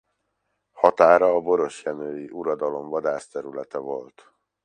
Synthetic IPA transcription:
hɒt̪aːɾɒːbo̞ɾo̞ʃjɛnøːjiʔuɾɒd̪ɒlo̞mvɒd̪aːʃt̪ɛɾylɛt̪ɛvo̞lt̪

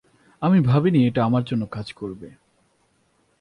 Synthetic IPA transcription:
amibʱabinieʈaamaɾd͡ʑonːokad͡ʑkoɾbe

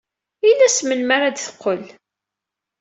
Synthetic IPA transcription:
ilːæsmənmaɾad̪θə̥qːəl

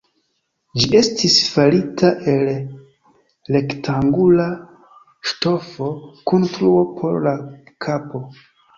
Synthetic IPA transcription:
d͡ʒiʔe̞stisfalitʰaʔe̞l | e̞ktʰaŋɡula | ʃto̞fo̞konstɾuopʰo̞̰ɾlakʰapo̞

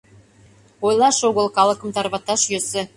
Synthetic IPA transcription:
ojlˠɑʃoɣə̆lˠkɑlɤ̆kɤ̆mt̪ɑɾβɑt̪ɑʃjøsĕ

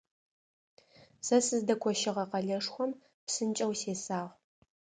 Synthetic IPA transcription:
sɐsɨzdɐkʷʰɔʃɪʁɐqɐɮɐʂxʷɔm | psɨnt͡ʃʼɐwseːsaːʁ

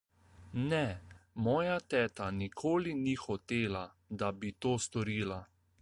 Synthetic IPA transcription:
nɛmɔːjat̪ɛːt̪anikʰoːlinixɔt̪eːla | d̪abit̪oːst̪ɔɾiːla

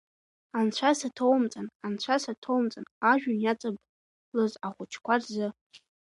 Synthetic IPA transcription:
ant͡ɕʷʰasatʰowmt͡sʼanant͡ɕʷʰasatʰowmt͡sʼanaʒᶣʊnjat͡sʼabʼ | lɨzaχʷʊt͡ʃʰkʷʰarzɨ

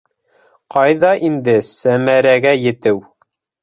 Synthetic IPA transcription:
qɑjðɑʔind̪ɘsæmæɾæɡæjɘ̆t̪ɘw

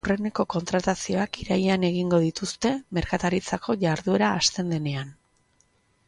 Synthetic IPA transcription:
re̞ne̞ko̞ko̞nt̪ɾat̪asio̞akiɾajeane̞ɣ̞iŋɡo̞ðit̪ust̪e̞me̞ɾkat̪aɾit͡sako̞ʝaɾðue̞ɾaːst̪e̞nd̪e̞ne̞an

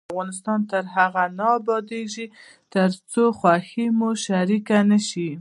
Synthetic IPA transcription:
vɣɑnɪs̬t̪ɑnt̪əɾɦaɣanɑbɑd̪eʒi | t̪əɾt͡soxwaximuʃaɾikanəʃi

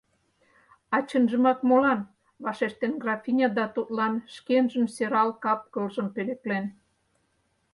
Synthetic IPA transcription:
ɑt͡ɕə̆nʒə̆mɑk̚molɑn | βɑʃeʃt̪enɡrɑfʲinʲɑd̪ɑt̪ut̪lɑnʃkenʒə̆mseɾɑlkɑp̚kɤ̆lʒəmpeleklen

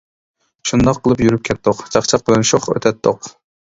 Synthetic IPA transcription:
ʃund̪ɑqʰːəlˠɨpjyɾyp̚kʲʰɛt̪ːoqt͡ʃʰɑχt͡ʃʰɑq̚bɪlˠɛnʃuχø̰t̪ʰɛt̪ʰːoq

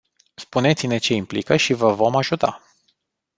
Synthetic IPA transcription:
spune̞t̪sʲine̞t͡ʃe̞implikəʃivəvo̞maʒut̪a̰

